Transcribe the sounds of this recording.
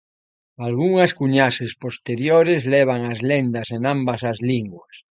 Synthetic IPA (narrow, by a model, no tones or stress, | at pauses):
alɣuŋɐskuɲasespost̪eɾjoɾezlɛβ̞aŋazlend̪ɐsenambɐsazliŋɡwas